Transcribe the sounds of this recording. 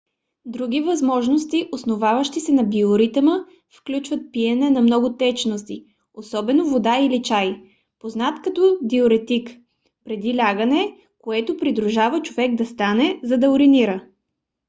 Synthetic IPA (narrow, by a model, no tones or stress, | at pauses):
d̪ɾuɡʲivɐzmɔʒnost̪iʔosnovavəʃt̪isɛnɐbioɾit̪əmə | fklʲut͡ʃvət̪̚piɛnɛnɐmnɔɡʊt̪ɛt͡ʃnost̪i | osɔbɛnovod̪ailit͡ʃaj | poznat̪kɐt̪ɔd̪ioɾɛt̪ik | pɾɛd̪ilʲaɡənɛ | koɛt̪opɾid̪ɾuʒavət͡ʃovɛɡd̪ɐst̪anɛzɐd̪ɐʊɾiniɾə